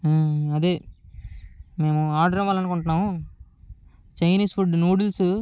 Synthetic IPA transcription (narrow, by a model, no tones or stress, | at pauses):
ɐd̪eː | me̞ːmuaːɾɖɐɾɐʋaːlɐnukuɳʈunːaːmu | t͡ʃɐjniːspuɖnuːɽulsu